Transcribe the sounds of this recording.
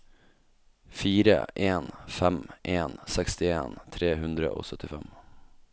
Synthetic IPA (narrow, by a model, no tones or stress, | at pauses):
fiːɾə̰ʔeːnfɛmʔeːnsɛkst̪ɪḛːnt̪ʰɾeːɦʉnd̪ɾə̰ʔo̰ːsœt̪ʰːɪfɛm